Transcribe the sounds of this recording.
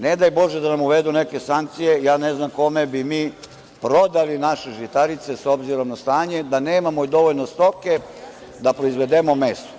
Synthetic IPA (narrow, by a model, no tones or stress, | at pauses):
ned̪ajbo̞ʒed̪anamuʋed̪uneke̞saŋk̚t̪sijejaːneznamko̞me̞bimiː | pɾo̞d̪alinaʃeʒit̪aɾit̪se̞so̞bziɾo̞mnast̪aːɲe̞d̪aneːmamoid̪o̞ʋolnost̪o̞ke̞ | d̪apɾoizʋe̞d̪emo̞mest̪o̥